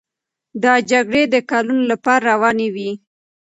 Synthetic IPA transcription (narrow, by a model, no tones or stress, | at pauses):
d̪ɑd͡ʒaɡɽed̪əkalunolapɑɾaɾawɑnewi